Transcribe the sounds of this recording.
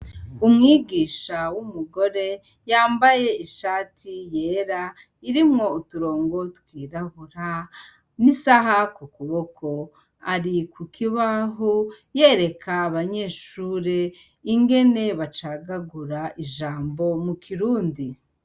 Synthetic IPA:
umŋiːɡiːʃawumuɡo̞ɾe̞ | jaːmbaje̞iʃaːtʰije̞ːɾa | iɾimŋo̞utuɾo̞ːŋɡo̞tkwiːɾahuɾa | nisaɦakukuβo̞kʰo̞ | aɾikukʰiβaɦoje̞ːɾe̞kʰaːβaɲe̞ːʃuːɾe̞ | iŋɡe̞ne̞βat͡ʃaɡaɡuɾaʔiʒaːmbo̞mukʰiɾuːndi

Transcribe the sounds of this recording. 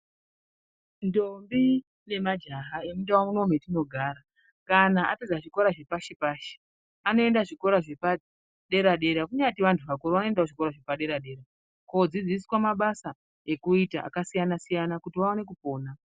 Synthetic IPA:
ndombi | ne̞mad͡ʒaɦaemundawamuno̞mwetino̞ɡʱaːɾa | kanaʔaped͡zaʐiko̞ɾaʐe̞paʃepaːʃe̥ | ano̞e̞ndaʐiko̞ɾaʐepa | ɗe̞ɾaɗe̞ɾakuɲatiʋantʰuʋakoɾoano̞e̞ndawʐiko̞ɾaʐepaɗe̞ɾaɗe̞ːɾa | ko̞d͡zid͡ziswamaɓasa | e̞kuitaʔa̰kasijanasijanakutiʋao̞ne̞k̬upo̞ːna

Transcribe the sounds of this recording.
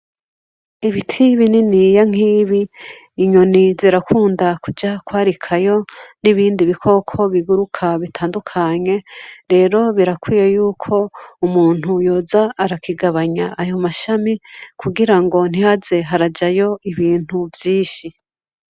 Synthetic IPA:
iβitʰiβininijaŋ̥iːβiː | ɲo̞niziɾakʰuːndakud͡ʒakwaːɾikʰajo̞niβiːndiβikʰo̞kʰo̞βiɡuɾukʰaβitʰaːndukʰaɲe̞ɾe̞ːɾo̞βiɾakwiːje̞juːkʰo̞umuːn̥ujo̞ːzaːɾakiɡaβaɲaʔːjo̞maʃamikʰuɡiɾaŋɡo̞n̥ihaze̞ɦaɾad͡ʒajo̞iβiːn̥huvjiːʃi

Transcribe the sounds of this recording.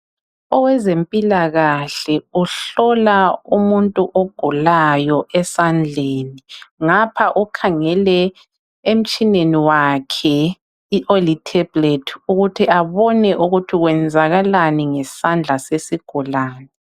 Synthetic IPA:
ɔwɛzempʼilaɣaɬɛuɬɔlaumuntʼuʔoɡ̥ʱulajɔʔɛsand͡ɮʱeːniŋapʰaʔukʰaŋɛlɛ | em̩t͡ʃʼineniwakʰɛ | iʔolitʰɛbletʰuɣutʰiʔaβɔnɛʔuɣutʰiɣwɛnd͡zʱaɣalaniŋɛsand͡ɮʱasesiɡ̥ʱulaːnɛ

